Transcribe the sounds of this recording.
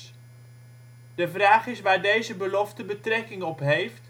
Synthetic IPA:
dəvraːχɪsʋaːɹdejzəbəlɔftəbətrɛkɪŋɔpɦejft

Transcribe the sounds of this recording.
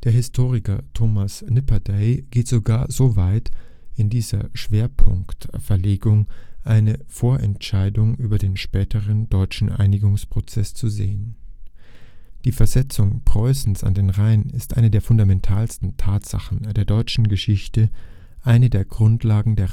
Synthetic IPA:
d̥eːɐɦɪstʰoːʁɪkɐ̰tʰoːmasnɪpɐdaɪɡ̥eːtz̥oɡaːɐzovaɪt | ɪndiːzɐ̰ʃv̥eːɐpʰʊŋktfɛɐleːɡʊŋʔaɪnəfoːɐʔɛntʃaɪdʊŋʔyːbɐdeːnʃpɛːtʰəʁəndɔʏt͡ʃn̩ʔa̰ɪnɪɡʊŋspʁ̥ot͡sɛst͡suzeːən | d̥iːfɛɐzɛt͡sʊŋpʁ̥ɔʏsn̩sa̰ndeːnʁaɪənɪstʔa̰ɪnədeːɐfʊndamɛntʰaːlstn̩tʰaːtz̥a̰χn̩d̥eːɐdɔʏt͡ʃn̩ɡəʃɪçtə | ʔaɪnədeːɐɡʁʊntlaːɡŋ̩deːɐ

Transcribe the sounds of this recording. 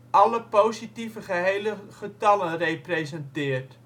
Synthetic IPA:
ʔɑləpowzitivəχəɦejləχətɑlənrejprezɛntɪːərt

